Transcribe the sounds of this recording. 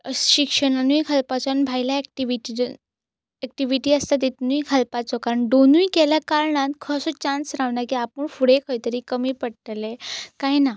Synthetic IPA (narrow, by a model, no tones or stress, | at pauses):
ɕikʂəɽanujkʰəlpat͡sɔnbʱajlaɛkʈiʋiʈi | ɛk̚ʈiʋiʈiːəst̪at̪it̪nujkʰəlpat͡sɔkaɾəɳɖonujkɛljakaɾɳãnt̪kʰəsɔt͡ɕãnsɾaʋnakiapəɳfuɽekʰəjt̪əɾiːkəmiːpəɽʈ̪əlekajna